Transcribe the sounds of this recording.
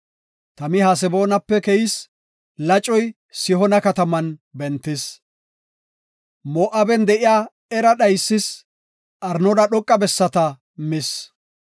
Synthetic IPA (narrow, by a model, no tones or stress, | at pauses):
t̪ɐmɪɦaːs̬ɛbo̞ːnɐpːɛkɛjɪs | lɐt͡ʃʼːɔj | sɪɦɔnɐkɐt̪ɐmɐnbɛnt̪ːɪs | moːʔɐbɛnd̪ɛʔɪjaː | ɛɾɐɗɐjsːɪs | ʔɐɾnɔd̪ɐɗɔkʼːɐbɛsːɐt̪ɐ | mɪs